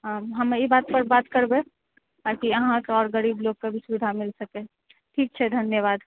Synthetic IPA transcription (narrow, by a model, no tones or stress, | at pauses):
əɦɐmeibaːt̪̚pəɾbaːt̪kəɾbe | t̪aːkiəɦãkeɔːɾɡəɾiːbloɡ̚kebʱisubɪd̪ʱamɪlsəke | ʈʰiːk̚t͡ʃʰɛd̪ʱɐnjəʋaːd̪